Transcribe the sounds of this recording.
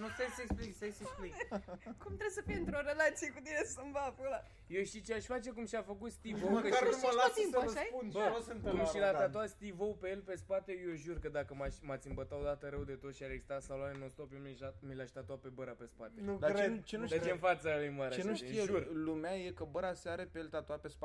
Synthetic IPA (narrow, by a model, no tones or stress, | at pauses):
nusajsəekspliksajseksplikkumt̪ɾebsəfijeɨnt̪ɾoɾelat̪sijekut̪inesəmbafula | joʃt̪it͡ʃeaʃʲfat͡ʃe̞kumʃiafəkut̪st̪ivowkəaalat̪impuasʃaeunbəosɨnt̪euʃilat̪at̪oast̪ivowpe̞jelpe̞spat̪e̞joʒurkəd̪akəmaʃʲmat̪sʲɨmbət̪aod̪at̪əɾewd̪e̞t̪o̞t̪ʃiaɾeɡzi̥st̪at̪saloanenost̪opjomiamilaʃt̪at̪oape̞bəɾape̞spat̪enud̪aɾet͡ʃenud̪at͡ʃenfat̪səijmaɾeaenuʃijeʒurlumeaje̞kəbəɾaseaɾepeelt̪at̪oapespa